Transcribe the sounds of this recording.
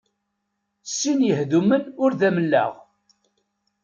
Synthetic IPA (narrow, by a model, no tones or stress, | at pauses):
sːinjəhðumənʊɾðæməlːæ̰ʁ